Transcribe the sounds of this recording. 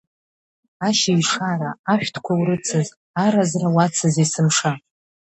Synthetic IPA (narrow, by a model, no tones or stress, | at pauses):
aʃiɥʂaɾaːʃᶣtʰkʷʰawɾɨt͡sʰɨz | aɾazrawat͡sʰɨzisɨmʂa